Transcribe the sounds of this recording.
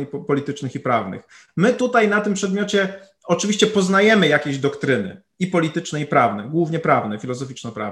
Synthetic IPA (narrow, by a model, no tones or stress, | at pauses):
pɔlʲit̪ɘt͡ʂnɘxipɾavnɘ̰x | mɘt̪ut̪ajnat̪ɘmpʂɛd̪mʲjɔt͡ɕɛ | ɔt͡ʂɘvʲiɕt͡ɕɛpɔznajɛmɘjakʲeʑd̪ɔkt̪ɾɘnɘ̰ | ipɔlʲit̪ɘt͡ʂnɛipɾavnɛɡwuvɲɛpɾavnɛfʲilɔzɔfʲit͡ʂnɔpɾa̰v